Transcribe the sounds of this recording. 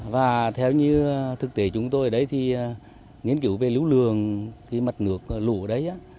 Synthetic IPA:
vaː˨˩t̪ʰɛ˧wɲɨ˧t̪ʰɨ˨˩k̚t̪e˨˦t͡ɕʊ˨˦ŋ͡mt̪o˧jɗə˨˦jt̪ʰi˨˩˨ | ŋi˨˦ənki˧˩wve˨˩lɨ˨˦wlɨ˨˩əŋki˨˧˦maə˨˩t̚nɨ˨˧˩ək̚ːlṵ˧˩ɗə˨˦jʔaː˨˦

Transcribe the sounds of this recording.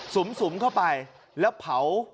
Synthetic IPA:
suː˩˦msuː˩˦mkʰa˥˩wpa˧j | lɛː˦˥wpʰa˩˦w

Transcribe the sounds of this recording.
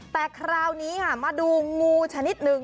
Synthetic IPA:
t̪ɛː˨˩kʰɾaː˧wniː˦˥kʰa˥˩maː˧duː˧ŋuː˧t͡ɕʰa˧ni˦˥t̪̚nɯ˧˩ŋ

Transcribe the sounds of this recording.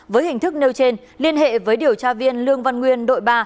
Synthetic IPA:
vəː˨˦jhï˨˩ŋ̟t̪ʰɨ˦˥k̚ne˧wt͡ɕe˧n | li˧ənɦḛ˧˨vəː˨˦jɗi˨˩əwt͡ɕaː˧vi˧ənlɨ˧əŋva˧nŋwi˧ənɗo̰˧˨jɓaː˧

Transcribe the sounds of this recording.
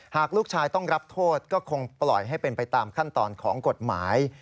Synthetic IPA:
haː˨˩k̚luː˥˩k̚t͡ɕʰaː˧jt̪ɔ˥˩ŋɾa˦˥p̚t̪ʰoː˥˩t̪̚kɔː˥˩kʰo˧ŋplɔ˨˩jɦa˥˩jpe˧npa˧jt̪aː˧mkʰa˥˩nt̪ɔː˧nkʰɔː˩˦ŋko˨˩t̪̚ma̰ː˩˦j

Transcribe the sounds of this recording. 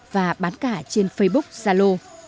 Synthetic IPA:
vaː˨˩ɓaː˨˦nkaː˧˩t͡ɕe˧nfə˧jɓʊ˦˥k͡p̚z̥aː˧lo˧

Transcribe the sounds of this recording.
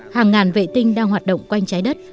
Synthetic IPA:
haː˨˩ŋːaː˨˩nvḛ˧˨t̪ï˧ŋ̟ɗaː˧ŋhwaː˨˩t̚ɗə̰˧˨wŋ͡mkwa˧jŋ̟t͡ɕaː˨˦jɗə˦˥t̚

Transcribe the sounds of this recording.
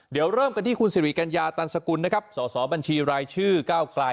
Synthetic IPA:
di˩˦əwɾɤː˥˩mka˧nt̪iː˥˩kʰu˧nsi˨˩wi˦˩ka˧njaː˧t̪a˧nsa˧ku˧nːa˦˥kʰa˦˥p̚sɔː˩˦sɔː˩˦ba˧nt͡ɕʰiː˧ɾaː˧jt͡ɕʰɯː˥˩kaː˥˩wkla˧

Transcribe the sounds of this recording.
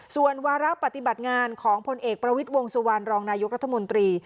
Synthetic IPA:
su˨˩ənwaː˧ɾa˦˥pa˨˩t̪i˨˩ba˨˩t̪̚ŋaː˧nkʰɔː˩˦ŋpʰo˧nʔeː˨˩k̚pɾa˧wi˦˥t̪̚wo˧ŋsu˧wa˧nɾɔː˧ŋnaː˧jo˦˥k̚ɾa˦˥t̪ʰːa˧mo˧nt̪ɾiː˧

